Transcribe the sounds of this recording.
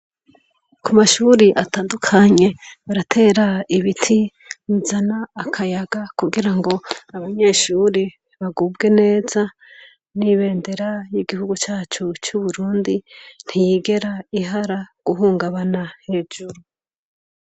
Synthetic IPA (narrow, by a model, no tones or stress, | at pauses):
kumaʃuːɾiʔataːndukʰaɲe̞βaɾatʰe̞ːɾaiβitʰi | muzanaːkʰajaɡakuɡiɾaŋɡo̞aβaɲe̞ʃuːɾi | βaɡubɡe̞ne̞ːza | niβe̞ːnde̞ɾajiɡihuɡut͡ʃaːt͡ʃut͡ʃuβuɾuːndin̥hijiɡe̞ɾaiɦaɾaɡ̥uɦuːŋɡaβanahe̞ːd͡ʒuɾu